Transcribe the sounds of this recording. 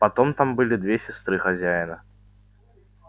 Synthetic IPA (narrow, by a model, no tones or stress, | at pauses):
pɐt̪o̞mt̪ambɨlʲɪd̪vʲesʲɪst̪ɾɨxɐzʲæjɪnə